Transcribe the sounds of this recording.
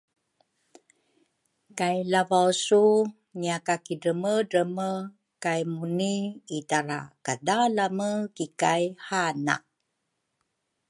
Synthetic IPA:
kajlavawsu | ɲiakakiɾəmədəmə | kajmuniːtaɾa̰kadalaməkikajhana̰

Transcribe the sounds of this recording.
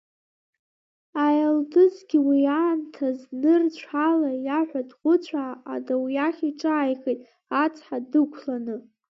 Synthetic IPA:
ajaldɨzɡʲiwiaːntʰaznɨrt͡ɕʷʰalajaħʷadʁʷʊt͡ɕʷʰa̰ːdawijaχʲiʈ͡ʂʼaːjχejtʼ | at͡sʰʼħadɨkʷʰlanɨ

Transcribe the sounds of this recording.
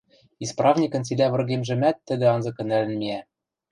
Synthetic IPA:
isprɑvnʲikɤ̆nt͡sid̪ævɤ̆rɣemʒɘ̆mæt̪ːɘ̆d̪ɘ̆ɑnzɤ̆kɤ̆nælɘ̆nmʲiæ

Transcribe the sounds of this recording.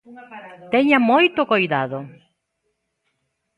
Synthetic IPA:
t̪eɲamojt̪okojðaðo

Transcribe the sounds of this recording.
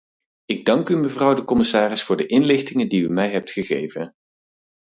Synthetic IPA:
ɪɡ̚dɑŋkyməvrʌwdəkɔmɪsaːrɪsfʊːɹdəʔɪnlɪχtɪŋədiymɛjɦɛp̚tχəχḛjvən

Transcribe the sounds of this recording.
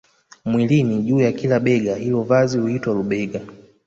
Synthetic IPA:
mwiliniʄuːjakilaɓɛɡahilɔvazihuitwaluɓɛɡa

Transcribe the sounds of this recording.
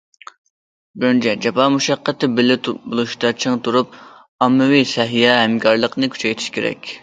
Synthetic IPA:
bnt͡ʃʰɛd͡ʒɛpɑmuʃɑqːət̪ɪbɪlɪt̪bulˠuʃt̪ɑt͡ʃʰɨŋt̪ʰuɾup̚ | ɑmːɨwisɛɦijɛɦɛmkʰɑɾlˠəqnɨkʲʰy̥t͡ʃʰɛjt̪ʰi̥ʃkʲʰeɾɛ̰kʲ

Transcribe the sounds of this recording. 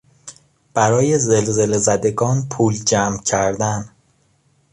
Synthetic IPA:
b̥æɾɒːje̞zelze̞lezæd̪e̞ɡɒːnpʰuːld͡ʒæːmcʰæɾd̪æn

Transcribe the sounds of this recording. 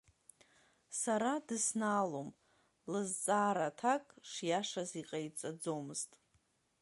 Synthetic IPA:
saɾadɨsnaːlom | lɨzt͡sʼaːɾatʰakʼʂjaʂaziqʼajt͡sʼad͡zomɨztʼ

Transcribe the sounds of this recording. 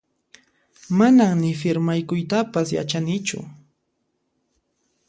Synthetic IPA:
manaŋnɪfɪɾmajkʊjt̪apasja̰t͡ʃanɪt͡ʃʊ̰

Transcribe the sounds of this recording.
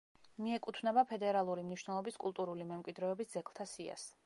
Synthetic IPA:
miɛkʼut̪ʰvnɛbapʰɛd̪ɛɾalˠuɾimniʃwnɛlˠɔbiskʼulˠt̪ʼuɾulimɛmkʼwid̪ɾɛɔbisd̪zɛɡlˠt̪ʰasia̰s

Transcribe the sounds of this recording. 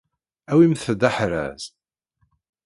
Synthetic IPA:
æwimθəd̪aħɾæ̰z

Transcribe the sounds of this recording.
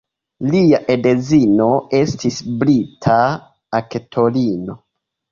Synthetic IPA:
liaʔedezino̞e̞stisblitʰaː | ketʰo̞lino̞

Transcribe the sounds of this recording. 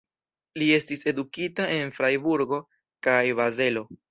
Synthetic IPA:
lie̞stise̞dukitaʔe̞nfɾajbuɾɡo̞ | kajβaze̞lo̞

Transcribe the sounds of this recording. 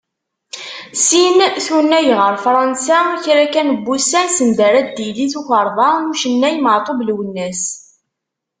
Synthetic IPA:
sinθunːæjʁəɾfɾˤɑnsaçɾækænəbːusænsənd̪æɾæd̪iliθuçəɾˤðˤɑnuʃənːæjməʕt̪ˤoblwənːæs

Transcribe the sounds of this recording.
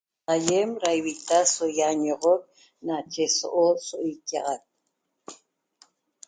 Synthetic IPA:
ajemɾajwit̪asojaɲoʁok̚ | nat͡ʃeso̰ʔosoʔojkɑ̰ʁak̪̚

